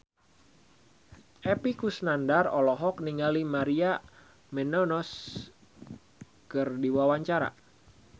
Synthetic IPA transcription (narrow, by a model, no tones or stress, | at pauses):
ʔɛpikusnandarɔlɔɦɔk̚niŋalimaɾia | mɛnɔnɔs | kɨrdiwawaɲt͡ʃaɾa̰